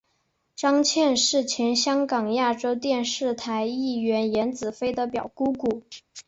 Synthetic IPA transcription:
ʈ͡ʂɑ˥ŋt͡ɕʰjɛ˥˧nʂɻ̩˥˩t͡ɕʰjɛ˧˥nɕjɑ˥ŋkɑ˨˩ŋja˥˩ʈ͡ʂo˥ʊt̪jɛ˥˧nʂɻ̩˥˩t̪ʰa˧˥ɪi˥˩ɥɛ˧˥njɛ˧˥nt͡sɹ̩˨˩fe˥ɪd̪ə˨pjɑ˨˩ʊku˥ku˨˩˦

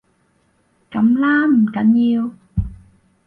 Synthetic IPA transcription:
ka˨˩˦mlaː˧m̩˨˩ka˨˦nɲi˧əw

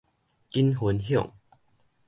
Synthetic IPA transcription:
ki˦nɦu˨˦nɦjɔ̰˥˨ŋ

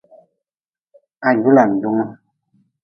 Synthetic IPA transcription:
a˨ju˦la˨n̩˨du˨˦ŋ˦

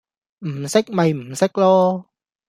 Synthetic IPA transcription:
m̩˨˩sɪ˥k̚mɐ˨jm̩˨˩sɪ˥k̚lɔː˥

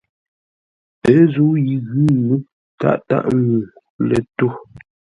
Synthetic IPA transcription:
pɛ˨˦zu˨˦ji˨ɣʉ˦˨nu˦ | ta̰˦˨ʔta̰˦ʔŋu˨ | lɛ˨to˦˨

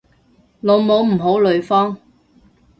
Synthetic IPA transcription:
lo˨˧wmo˨˧wm̩˨˩ɦo˨˥wlɵ˨˧ɥfɔː˥ŋ

